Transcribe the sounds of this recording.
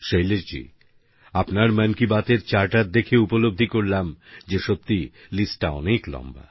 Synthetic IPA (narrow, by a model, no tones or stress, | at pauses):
ʃejleʃd͡ʑḭ | apnaɾmɛnkibat̪eɾt͡ɕaɾʈat̪̚d̪ekʰeupolob̚d̪ʱikoɾlamd͡ʑeʃop̚t̪ilisʈʈaɔ̰neklɔ̰mba̰